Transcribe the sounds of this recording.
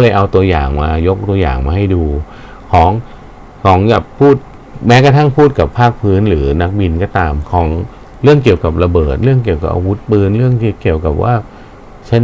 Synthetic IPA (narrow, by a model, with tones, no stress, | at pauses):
lɤː˧jʔa˧wt̪u˧ɐja̰ː˨˩ŋmaː˧jo˦˥k̚t̪u˧ɐja̰ː˨˩ŋmaː˧ha˥˩jduː˧ | kʰɔː˩˦ŋ | kʰɔː˩˦ŋja˨˩kpʰːuː˥˩t̪̚ | mɛː˦˥ka˧t̪ʰa˥˩ŋpʰuː˥˩t̪̚ka˨˩pʰːaː˥˩k̚pʰɯː˦˥nɾɯː˩˦na˦˥k̚bi˧nkɔː˥˩t̪aː˧mkʰɔː˩˦ŋ | ɾɯ˥˩əŋki˨˩əwka˨˩p̚ɾa˧bɤː˨˩t̪̚ɾɯ˥˩əŋk̬i˨˩əwka̰˨˩p̚ʔa̰˧wu˦˥t̪̚pɯː˧nɾɯ˥˩əŋt̪ʰiː˥˩ki˨˩əwka˨˩p̚wʔa̰ː˥˩ | t͡ɕʰa˦˥n